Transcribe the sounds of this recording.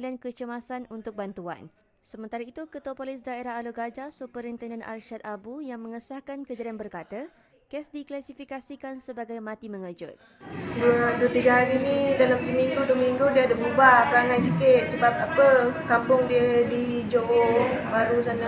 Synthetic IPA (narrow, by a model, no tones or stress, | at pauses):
liankət͡ʃəmasanunt̪ʊk̚bant̪ua̰n | səmə̃nt̪aɾait̪ukət̪uwapolis̬daeɾaɦaloɡad͡ʒasupəɾint̪ɛndənʔa̰lʃat̪̚abujaŋmə̃ŋəsahkankəd͡ʒaɾianbərkat̪a | kɛsdiklasifikasikansəbaɡajmãt̪imə̃ŋəd͡ʒʊ̰t̪̚ | duəduət̪iɡaɦaɾinidalamt̪ɾimiŋɡuduəmiŋɡudiəːdəmubapəɾaŋãjsikɪt̪̚səbap̚apəkampʊŋdiədi | d͡ʒoʔobaɾusana